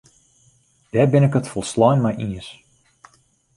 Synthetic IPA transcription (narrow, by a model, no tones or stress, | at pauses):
d̥ɛːbɪnɪkətfɔlˠslɔjnmajʔiəs